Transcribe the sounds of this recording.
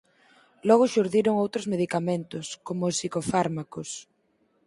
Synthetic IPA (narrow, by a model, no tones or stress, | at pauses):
lɔɣ̞ʊʃuɾðiɾʊŋowt̪ɾʊzmeðikament̪ʊskomʊːsːikofaɾmakʊs